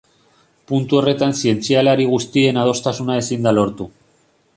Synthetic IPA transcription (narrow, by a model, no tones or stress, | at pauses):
punt̪uo̞re̞t̪ansie̞nt͡sialaɾiɣ̞ust̪ie̞nað̞o̞st̪asunaesind̪alo̞ɾt̪u